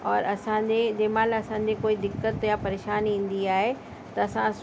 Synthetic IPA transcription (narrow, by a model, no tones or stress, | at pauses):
ɔːɾɐsãd͡ʑed͡ʑeːmaːlɐsãd͡ʑekoːid̪ɪkːət̪japɐɾeːʃaːnĩːn̆d̪iaːɦe | t̪ɐːsãs